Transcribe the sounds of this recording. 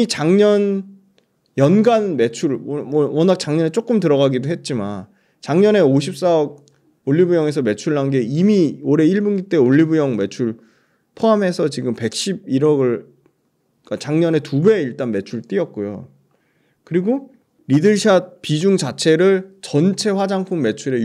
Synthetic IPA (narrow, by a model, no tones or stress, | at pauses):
it͡ɕaŋɲʌn | jʌnɡanme̞t͡ɕʰuɭmmʌnak̚t͡ɕ͈aŋɲʌnet͡ɕ͈ok͈ɯmtɯɾʌɡaɡidoɦe̞t̚t͡ɕ͈iman | t͡ɕaŋɲʌne̞oɕʰip̚s͈aʌɡ̚ | oɭːibujʌŋe̞s̬ʰʌme̞t͡ɕʰuɭːanɡe̞imioɾe̞iɭbunɡit͈e̞oʎːibujʌŋme̞t͡ɕʰuɭ | pʰoame̞sʰʌt͡ɕiɡɯmpe̞k̚ɕ͈ib̚iɾʌɡɯɭ | k͈at͡ɕaŋɲʌne̞tube̞iɭt͈anme̞t͡ɕʰuɭt͈iʌt̚k͈ojo̰ | kɯɾiɡo | ɾidɯɭɕʰiapid͡ʑuŋt͡ɕat͡ɕʰe̞ɾɯɭt͡ɕʌnt͡ɕʰe̞ɸwad͡ʑaŋpʰumːe̞t͡ɕʰuɾe̞